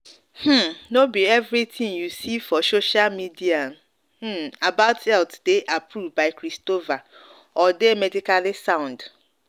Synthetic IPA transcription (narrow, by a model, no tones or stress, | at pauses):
hm̩nobiɛvɾitʰĩŋjusifɔsoʃalmidian | h̩abaʊtɛltdeʔapʰɾuvbaɪkɾistova | ɔdemɛdikalisãʊ̃nd